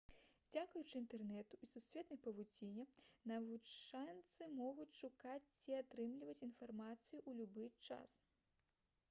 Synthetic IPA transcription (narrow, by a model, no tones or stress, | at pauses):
d͡zʲakujut͡ʂɨint̪ɛrnɛt̪uisusʲvʲɛt̪nɐjpɐvud͡zʲinʲɛnɐvut͡sʂansɨmɔɣut͡sʲʂukat͡sʲt͡sʲiat̪ɾɨmlʲivɐt͡sʲinfarmat̪sɨjuʔulʲubɨt͡ʂa̰s